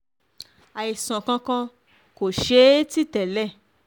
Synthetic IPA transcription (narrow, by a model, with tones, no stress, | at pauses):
a˨i˨sɔ̃˨kã˧kã˧ | ko˨ʃe˦ti˦˨tɛ˨lɛ˦˨